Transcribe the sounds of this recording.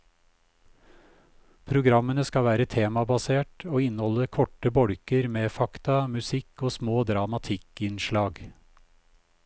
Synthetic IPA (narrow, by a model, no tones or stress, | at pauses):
pʰɾʊɡɾɑmənəskɑʋæːɾət̪ʰeːmɑbɑseːʈoːɪnhɔləkʰɔʈəbɔɽkəɾmeːfɑkt̪ɑmʉsɪkoːsmoːd̪ɾɑmɑt̪ʰɪkɪnʃlɑːɡ